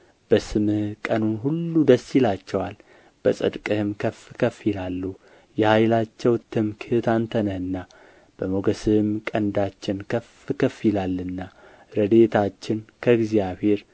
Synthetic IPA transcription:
b̥əsɨmɨhkʼənunɦulːud̪əsːilat͡ʃːɛwal | b̥əsʼɨ̰d̪kʼɨhɨmkʰəfkʰəfilalːu | jɛhajlat͡ʃːɛwt̪ʰːɨmkʰɨhɨt̪ant̪ʰənəhɨnːa | b̥əmo̞ɡəsɨɨmkʼənd̪at͡ʃːɪnkʰəf | kʰəfilalːɨnːa | ɾəd̪e̞t̪ʰat͡ʃːɪnkʰəɨɡzijaβhe̞ɾ

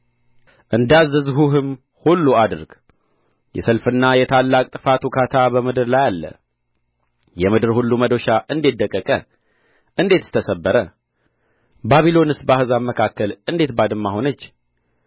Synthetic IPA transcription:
ʔɨnd̪azɨzhuɦɨm | hulːuad̪ɨɾɡ̥ | jɛ̰səlfɨnːajɛt̪ʰalːakʼt̪ʼɨfat̪ʰukʰat̪ʰabəmɨd̪ɨɾlajalːə̰ | jɛmɨd̪ɨɾhulːuməd̪o̞ʃaʔɨnd̪et̪d̪ːəkʼːəkʼə | ʔɨnd̪e̞t̪ɨ̥sɨ̥t̪ʰəsəbːəɾə | baβilo̞nɨsbahɨzaməkʰakːəlɨnd̪e̞t̪bad̪ɨmːaho̞nət͡ʃː

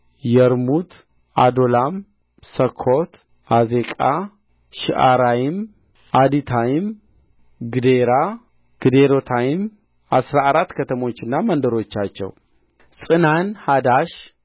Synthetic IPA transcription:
jɛɾmut̪ | ad̪o̞lam | səkʰːot̪ | ʔaze̞kʼa | ʃiʔaɾajɪm | ʔad̪it̪ʰajɪm | ɡɨd̪eɾa | ɡ̥ɨd̪eɾo̞t̪ʰajɪm | ʔasɾaːɾat̪ːkʰət̪ʰəmo̞t͡ʃːɨnːamənd̪əɾo̞t͡ʃːat͡ʃːɛ̰w | sʼɨnanhad̪aʃ

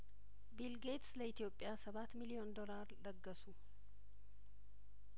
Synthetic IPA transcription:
bilɡet̪sləɪt̪ijo̞pʼːɪjasɐβat̪ːmilio̞nd̪o̞laɾləɡːəsu

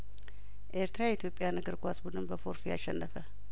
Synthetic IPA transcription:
ʔeɾt̪ɾajit̪ʰjo̞pʼːjanɨɡɨɾɡʷasbud̪ɨnbəfoɾfija̰ʃɛnːəfə

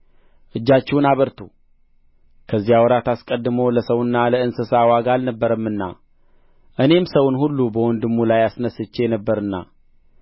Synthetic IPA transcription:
ʔɨd͡ʒːat͡ʃːɛwnaβəɾt̪ʰu | kʰəzːijawɔɾat̪askʼəd̪ːɨməwləsəwɨnːaləɨnsɨsawaɡaalnəbːəɾəmːɨnːa̰ | ʔɨne̞msəwnhulːubəwɔnd̪ɨmːulajasnəsːɨt͡ʃːejɛnəbːəɾɨnːa̰

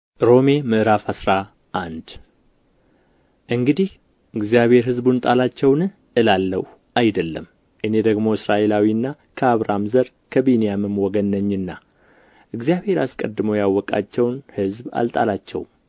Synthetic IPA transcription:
ɾo̞me̞mɨʔɨɾafasɾa | ʔand̪ | ʔɨŋɡɨd̪ih | ɨɡzijaβe̞ɾhɨzbunt̪ʼalat͡ʃːɛwnɨ | ʔɨlalːəw | ʔajd̪əlːəm | ʔɨne̞d̪əɡmo̞ɨsɾaʔe̞lawiɨnːa | kʰəaβɾamzəɾ | kʰəbinijamɨmwɔɡənːəɲːɨnːa | ʔɨɡzijaβhe̞ɾaskʼəd̪ːɨməwjawːɔkʼa̰t͡ʃːɛwnhɨzba̰lt̪ʼa̰lat͡ʃːɛ̰wm

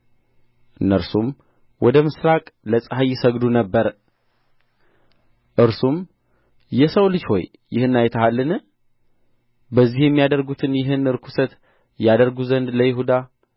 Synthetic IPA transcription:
ʔɨnːəɾsum | wɔd̪əmɨsɾakʼləsʼəɦajɪsəɡd̪unəbːəɾ | ʔɨɾsum | jɛsəwlɨd͡ʒho̞̰j | jɪhɨnːajt̪ʰəhalːɨn | bəzːihjɛmːijad̪əɾɡut̪ʰɨnjɪɦɨnɨɾkʷʰu̥sət̪ | jad̪əɾɡuzənd̪ləjɪɦud̪a

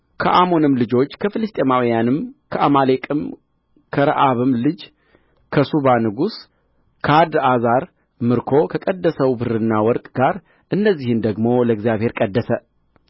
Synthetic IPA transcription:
kʰəʔamo̞nɨmlɨd͡ʒo̞t͡ʃːkʰəfɨlɨst̪ʼemawijanɨmkʰəʔamalekʼɨm | kʰəɾa̰ʔaβɨmlɨd͡ʒ | kʰəsuβanɨɡus | kʰad̪azaɾ | mɨɾkʰo̞kʰəkʼəd̪ːəsəwbɨɾɨnːawɔɾkʼɡ̥aɾ | ʔɨnːəzːihɨnd̪əɡmo̞ləɨɡzijaβhe̞ɾkʼəd̪ːəsə

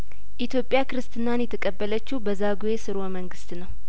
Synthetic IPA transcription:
ʔit̪jo̞pʼjakɨɾɨst̪ʰɨnːanjɛt̪ʰəkʼəbːələt͡ʃːubəzaɡuesɨɾoməŋɡɨst̪nəw

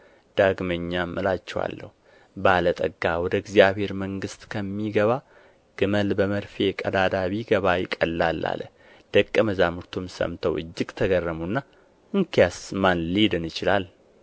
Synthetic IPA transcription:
d̪̥aɡməɲːamʔəlat͡ʃːɛwa̰lːə̰hu | balət̪ʼə̰ɡːawɔd̪əɪɡzjaβhe̞ɾməŋɡɨst̪kʰəmːiɡəβa | ɡ̥ɨməlbəməɾfekʼəd̪ad̪aβiɡəβajɪkʼəlːalːa̰lə | d̪̥əkʼːəməzamuɾt̪ʰumsə̰mt̪ʰəwɨ̰d͡ʒːɪɡt̪ʰəɡərːəmunːa | ɨŋkʰijasmanlid̪ɨnɨt͡ʃɪlal

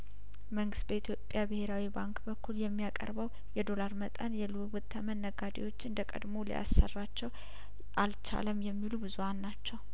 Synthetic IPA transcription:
məŋɡɨst̪̚bəit̪ʰjo̞pʼjabɨhe̞ɾawibaŋkʼbəkʰːuljɛmːijakʼə̰ɾbəw | jɛd̪o̞laɾmət̪ʼənjɛlɨwβɨt̪ʰːəmənːəɡad̪ḛwo̞t͡ʃːɨnd̪əkʼə̰d̪molḭja̰sːə̰rːat͡ʃːɛw | ʔalt͡ʃʰa̰ləmjɛmːilubɨzuhanːat͡ʃːɛw

